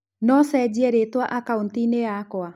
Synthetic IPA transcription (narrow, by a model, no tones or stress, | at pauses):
nɔsɛd͡ʑiɛɾetwaʔakaontineakɔa